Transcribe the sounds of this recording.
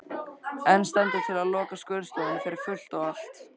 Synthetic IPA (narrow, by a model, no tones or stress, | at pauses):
ɛnːst̪ɛjnt̪ɪ̥t̪ʰɪlaðlɔːkaskʏððst̪owɪnfɪɾɪɾ̥fʏl̥t̪ɔɣal̥t̪